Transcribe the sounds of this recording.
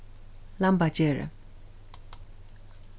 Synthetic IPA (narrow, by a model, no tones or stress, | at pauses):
lampat͡ɕeɹḛ